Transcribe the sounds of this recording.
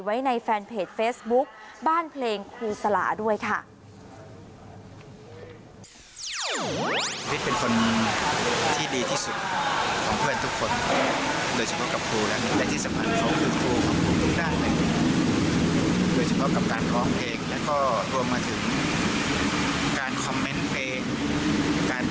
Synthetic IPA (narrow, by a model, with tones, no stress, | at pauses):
wa˦˥jna˧jfɛː˧npʰeː˨˩t̚feː˦˥sbu˦˥k̚baː˥˩npʰleː˧ŋkʰuː˧sa˧la̰ː˩˦du˥˩əjkʰa˥˩˧ | wi˦˥t̪̚pe˧nkʰo˧n | t̪ʰiː˥˩diː˧t̪ʰiː˥˩su˨˩t̪̚kʰɔː˨˩˦ŋpʰɯ˥˩ənt̪ʰu˦˥kʰːo˧n | doː˧jsa˧pʰɔ˦˥ka˨˩p̚kʰuː˧lɛ˦˥ni˧˥˩lɛ˧˥˩t̪ʰiː˥˩sa˧˦mpʰa˧˩n˨˩kʰa˦˥wk̪ʰɯː˧˩t̪ʰuː˧kʰɔː˩˦ŋkʰuː˧˩t̪ʰu˦˥k̚daː˥˩jla˧˥˩a˦˥ | doː˧jsa˧pʰɔ˦˥ʔka˨˩p̚kaː˨nkʰɔː˧˩ŋpʰeː˧˩k̚lɛː˦˥wkɔː˥˩ɾu˧əmːaː˧t̪ʰɯ˩˦ŋ | kaː˨nkʰɔ˧mːe˦˥npʰleː˧ | kaː˨n